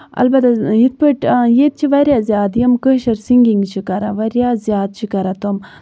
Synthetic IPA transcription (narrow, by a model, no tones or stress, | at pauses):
ɐ̰lbɐt̪aɦit̪̚pəʈjet̪̚t͡ʃʰiʋɐɾʲjaːzʲjaːd̪jɐmkəʃɐɾsiŋɡiŋɡt͡ʃʰikɐɾaʋɐɾjaːzʲjaːd̪̚t͡ʃʰikɐɾat̪om